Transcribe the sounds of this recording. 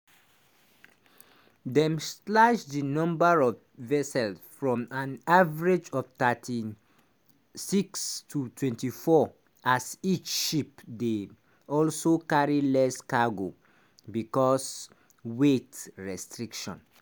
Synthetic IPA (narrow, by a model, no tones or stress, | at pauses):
dɛ̃mstlad͡ʒdinɔ̃mbaɹɔv | vɛsɛlsfɹɔ̃mãnavaɹed͡ʒɔvtatʰi | sikstʰutʰwɛ̃ntifɔ | ʔasit͡ʃʃipde | ɔlsokaɹilɛskaɡo | bikɔs | wetɹɛstɹikʃɔ̰̃n